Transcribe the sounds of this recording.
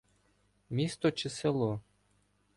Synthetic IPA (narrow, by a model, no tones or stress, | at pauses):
mʲist̪ɔt͡ʃɪselˠɔ